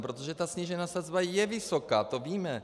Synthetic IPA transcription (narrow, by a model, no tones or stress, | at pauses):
pɾot̪oʒɛt̪asɲiʒɛnaːsazbajɛvɪso̞kaːt̪o̞viːmɛ